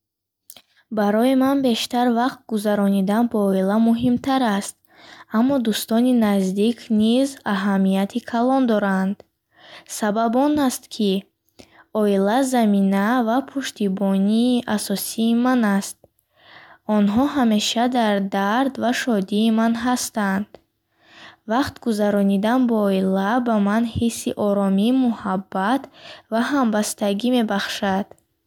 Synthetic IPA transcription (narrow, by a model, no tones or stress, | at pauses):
baɾɔimanbe̞ʃt̪aɾvaqt̪̚ɡuzaɾɔnid̪anbɔːilamuɦimt̪ʰaɾast̪̚ | amːɔd̪ust̪ɔninazd̪ikʰnizaɦamijat̪ʰikʰalɔnd̪ɔɾand̪ | sababɔnast̪kʰi | ɔilazaminavapʰuʃt̪ibɔniːʔasɔsiːmanast̪̚ | ɔnɦɔɦame̞ʃad̪aɾd̪aɾd̪vaʃɔd̪iːmanɦast̪and̪̥ | vaqt̪ɡuzaɾɔnid̪anbɔɔilabamanhisːiʔɔɾɔmiːmuhabːat̪vaɦambast̪aɡime̞baχʃad̪̥